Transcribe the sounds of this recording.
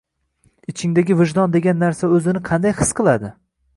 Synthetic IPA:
ɪt͡ʃʰɪŋd̪aɡʲɪvɪʒd̪ɒnd̪e̞ɡʲanːaɾsaɵzɪnɪqʰɑnd̪ajhɨsqʰɨlˠad̪ɪ

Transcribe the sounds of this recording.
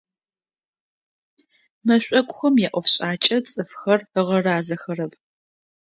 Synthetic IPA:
mɐɕʷʼɐkʷʼʊxɐmjɛːʔʷɔfɕʼaːt͡ʃʼɐt͡sʼɨfxɐrəʁɐraːzɐxɐrɐp̚ʰʼ

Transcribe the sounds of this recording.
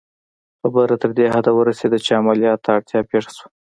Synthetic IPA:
xabəɾat̪əɾd̪eɦad̪awəɾased̪at͡ʃeamaljɑt̪ːɽt̪jɑpeʂḁswḁ

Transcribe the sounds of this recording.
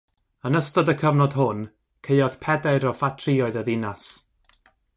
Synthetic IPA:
ənəstɔdəkʰəvnɔd̥ɦʊn | kʰeɨɔð̥pʰɛdaɨɾɔfatʰriɔɨðəðɪnas

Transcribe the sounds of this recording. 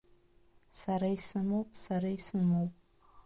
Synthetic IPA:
saɾaisɨmowpʼsaɾaisɨmowpʼ

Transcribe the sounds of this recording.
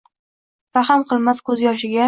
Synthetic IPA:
ɾaɦamqʰɨlˠmaskʰɵzjɒʃ̬ɪɡʲa

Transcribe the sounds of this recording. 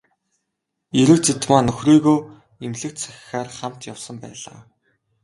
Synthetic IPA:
iɾɘ̆wt͡sit̪maːnɵxriːɣoː | emɮɘ̆kt̪t͡sʰæxʲɪ̥̆xaːrχam̥t̪jawsə̆mpæ̰ːɮa̰ː

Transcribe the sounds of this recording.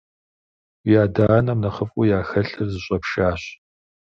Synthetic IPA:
wijaːdaːɐnɐmnɐχəfʼʊjaːxɐɬɨrzɨɕʼɐpʃaːɕ

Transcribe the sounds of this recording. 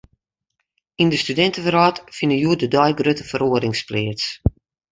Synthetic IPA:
indəstydɛntəvəɾɔːtfɪnəjuədədɔjɡrøtəfəɾoədɪŋsplɪəs

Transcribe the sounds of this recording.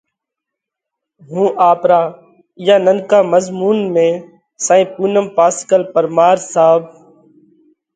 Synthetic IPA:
ɦũːʔaːpɾaː | ɪjaːnənkaːməzmuːnmẽː | sãːĩːpuːnəmpaːskəlpəɾmaːɾsaːb̚

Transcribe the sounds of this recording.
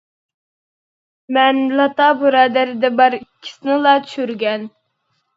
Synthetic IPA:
mɛnlɑt̪ɑbuɾɑːd̪æɾɪd̪ɛbɑɾikʲʰːi̥sɪnɪlˠɑt͡ʃ̪ʰy̥ʃyɾɡʲɛn

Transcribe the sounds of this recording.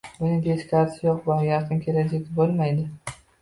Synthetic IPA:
bʊnɪt̪ʰeskʲʰaɾsʰɪjoqbajɑqʰɨnkʲʰelad͡ʒakʲbolˠmajd̪ɪ

